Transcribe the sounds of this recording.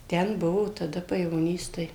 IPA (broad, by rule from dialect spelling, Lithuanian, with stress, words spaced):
ˈtʲɛn ˈbʊʋoː tɐˈdɐ pɐjɛʋoːˈnʲiːs ˈtɐɪ